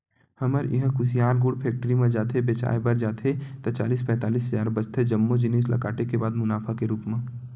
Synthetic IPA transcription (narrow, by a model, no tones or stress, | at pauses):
hɐməɾɪ̰ɦə̃kʊsijaːɾɡʊɽpʰeːk̚ʈəɾimẽd͡ʒaːt̪ʰebeːt͡ʃa̰ːebɐɾd͡ʒaːt̪ʰet̪ɐt͡ʃa̰ːliːspɛ̃ːt̪aːliːsɦɐzaːɾbɐt͡ʃt̪ʰed͡ʒɐmːod͡ʒɪneːslɐ̰kaːʈekebaːd̪mʊnaːfʰakeɾuːkmẽ